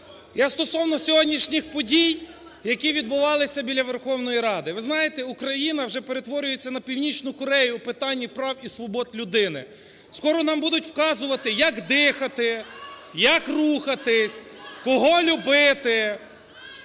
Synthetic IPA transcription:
jast̪ɔsɔwnɔsʲɔɦɔdʲnʲiʃnʲixpɔdʲij | jɐkʲiʋʲid̪̚bʊʋɑlˠɪsʲɐbʲilʲːɐʋerxɔwn̪ɔjiɾɑd̪ɪʋɪznɑjet̪ɛukɾɐjin̪ɐwʒɛpe̞ɾet̪ʋɔɾʲʊje̞t͡sʲːɐnɐpʲiwnʲit͡ʃnʊkɔɾɛjʊpɪt̪ɑnʲːipɾɑwisʋɔbɔt̪lʲʊd̪ɪnɪ̰ | skɔɾɔnɑmbud̪ʊtʲwkɑzʊʋɐt̪ɪjɐkd̪ɪxɐt̪ɪjɐkruxɐt̪ɪsʲ | kɔɦɔlʲʊbɪt̪ɪ

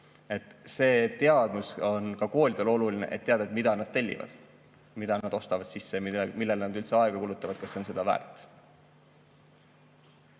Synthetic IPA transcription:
e̞t̪ˑse̞ːt̪e̞ɑd̪̥muso̞nkɑko̞ːlʲid̪̥e̞lo̞lulinḛʔet̪ːe̞ɑd̪̥ɑet̪mid̪̥ɑnɑd̪̥̚t̪e̞lʲːḭvɑ̰d̪̥ | mid̪̥ɑnɑd̪̥o̞st̪ɑvɑd̪̥sisːemilːe̞lnɑd̪ylt̪seɑe̞ɡ̥ɑkuːlut̪ːˑɑvɑd̪̥̚kɑsːeonse̞d̪̥ɑvæ̰ːrt̪ːˑ

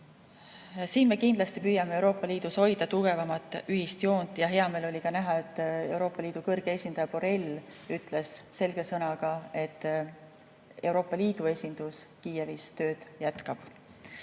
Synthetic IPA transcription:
siːnme̞kind̪lɑst̪ipyːjɑmeewɾo̞ːpːˑɑliːd̪̥usho̞jd̪ɑt̪uɡ̥e̞vɑmɑt̪ːˑyɦhist̪jo̞ːnt̪ˑjɑɦe̞ɑme̞ːlo̞lʲikɑnæɦɑe̞t̪ːˑe̞wɾo̞ːpːˑɑliːd̪̥ukɤrɡ̥e̞e̞sʲind̪̥ɑjɑpo̞ɾe̞lyt̪ˑle̞sse̞lɡ̥e̞sɤnɑɡ̥ɑe̞t̪ːˑ | e̞wɾo̞ːpːˑɑliːd̪̥ue̞sʲind̪̥uskiːje̞vist̪ø̞ːd̪̥jæt̪kɑb̥

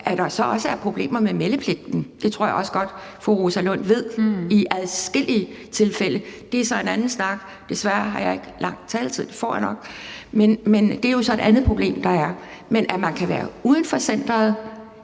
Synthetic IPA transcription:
ʔæd̥ɑ̈sɒ̽ɒ̽səæɐpʰʁo̝b̥le̝̰ːmɐmemeləpʰle̝ɡ̥̚d̥n̩d̥e̝t͡sʰʁo̝ɐ̰jɑ̽sə̥ɡ̥ɒ̽d̥ | fɒʁosælɔ̽n̰ʋe̝ð̞̰ˠiʔæðˠsɡ̥e̝l̰iə | t͡sʰe̝lfel̰əd̥e̝æɐsɒ̽e̝nænn̩snɑ̈ɡ̥ | d̥e̝sʋæɐɦɑ̈jɑ̈e̝ɡ̥əlɑ̈ŋ̰̥t͡sʰɛːlt͡sʰið̰̥ˠefɒ̰ːjänɒ̽ɡ̥̚menmend̥e̝æɐjo̝sɒ̽e̝d̥ʔænð̞̩ˠpʰʁo̝b̥le̝̰ːmd̥ɑ̈æɐmenʔæmænkʰæʋæ̰ːɐuːð̞ˠn̩fɒ̽sen̰d̥ʁɐð̞̩ˠ

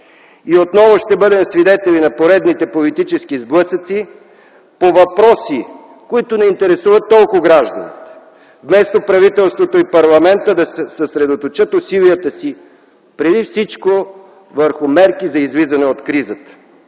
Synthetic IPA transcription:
iot̪nɔvʊʃt̪ɛbɤd̪ɛmsvid̪ɛt̪ɛlinɐpoɾɛd̪nit̪ɛpolit̪it͡ʃɛskizblˠɤsət̪si | povɐpɾɔsi | koit̪ʊnɛint̪ɛɾɛsuvət̪ːɔlˠkʊɡɾaʒd̪ɐ̰nit̪ | vmɛst̪opɾɐvit̪ɛlˠst̪vot̪oipɐɾlˠɐmɛnt̪əd̪ɐsɛsəsɾɛd̪ot̪ot͡ʃət̪osiliət̪əsi | pɾɛd̪ifsit͡ʃko | vəɾxʊmɛɾkizɐizlizɐnɛot̪kɾizət̪ə̥

